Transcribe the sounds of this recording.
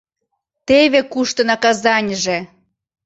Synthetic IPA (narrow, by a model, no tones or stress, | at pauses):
t̪eβekuʃt̪ɤ̆nɑkɑzɑnʲəʒe